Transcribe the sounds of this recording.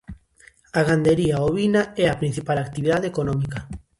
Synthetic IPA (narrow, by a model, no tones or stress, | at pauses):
aɣand̪eɾiaoβinaɛapɾin̟θipalakt̪iβiðaðeekonɔmika